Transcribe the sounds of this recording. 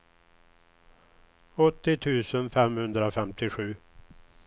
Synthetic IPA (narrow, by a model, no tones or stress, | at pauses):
ɔt̪ːɪt̪ʰʉ̟ːsənfɛmhɵnd̪ɾafɛmt̪ʰɪɧʉ̟ː